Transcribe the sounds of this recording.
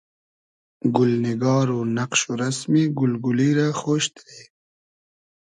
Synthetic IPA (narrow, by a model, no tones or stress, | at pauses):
ɡʊlnɪɡɑːɾonaqʃoɾasmiɡʊlɡʊliɾaxoːʃt̪ɾe